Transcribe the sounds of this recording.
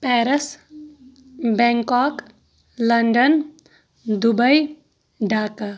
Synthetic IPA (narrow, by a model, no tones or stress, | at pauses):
pɛːɾəs | bɛŋkɔːk | ləɳɖən | d̪ubəj | ɖʱaːka